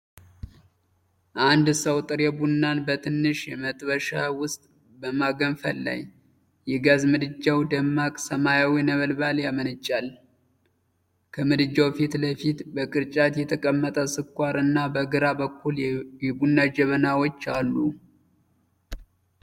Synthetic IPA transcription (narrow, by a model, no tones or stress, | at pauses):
ʔand̪səwt̪ʼɨɾjɛbunːanbət̪ʰɨnːɨʃjɛmət̪ʼβəʃawʊst̪ʼ | bəmaɡənfəlːa̰j | jɛɡazmɨd̪ɨd͡ʒːawd̪əmːakʼsəmajawinəβəlbaljamənɨt͡ʃʼːal | kʰəmɨd̪ɨd͡ʒːawfit̪ləfit̪bəkʼɨɾt͡ʃʼat̪jɛt̪ʰəkʼəmːət̪ʼəsɨkʼʷːaɾɨnːabəɡɨɾabəkʰːuljɛbunːad͡ʒɛβənawo̞t͡ʃːalːu